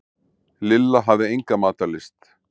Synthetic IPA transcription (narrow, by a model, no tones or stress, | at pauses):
lɪlːaɦavðɪejŋkamaːt̪alɪst̪